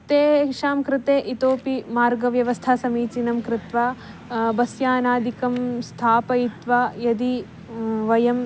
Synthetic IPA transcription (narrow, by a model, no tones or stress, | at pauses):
t̪eːkʂaːmkɾɪt̪eːʔit̪oːpimaːɾɡɐʋjɐʋɐst̪ʰasɐmiːt͡ʃinɐmkɾɪt̪ʋaː | bɐsjaːnaːd̪ikɐmst̪ʰaːpɐjit̪ʋaːjɐd̪i | ʋɐjɐm